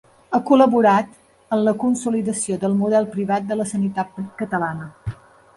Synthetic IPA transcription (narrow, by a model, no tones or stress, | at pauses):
əkuləβuɾat̪ | ənləkunsuliðəsioðəlˠmuðɛlˠpɾiβat̪̚d̪ələsənit̪at̪̚pkət̪əlanə